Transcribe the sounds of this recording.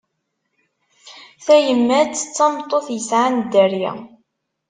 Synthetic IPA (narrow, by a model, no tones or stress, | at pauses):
θæjəmːæt͡sːət͡sːɑmt̪ˤːoθjəsʕand̪ːæɾjæ̰